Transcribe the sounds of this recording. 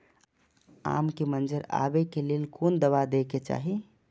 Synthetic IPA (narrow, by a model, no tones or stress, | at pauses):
a̰ːmkemənd͡ʒəɾa̰bekeleːlkond̪əʋad̪eket͡ʃa̰ːɦi